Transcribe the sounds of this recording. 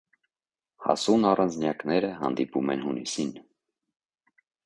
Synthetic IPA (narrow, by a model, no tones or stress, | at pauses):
hɑ̰sunɑrɑnd͡znjɑknɛɾəɦɑ̰nd̪ipumɛnhunisin